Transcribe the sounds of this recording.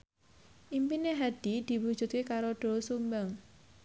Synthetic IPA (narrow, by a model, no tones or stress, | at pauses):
ʔimpineɦad̪̥id̪̥i̤wud̥ʒ̥ṳt̪̚kekaɾoɖ̥o̤sumbaŋ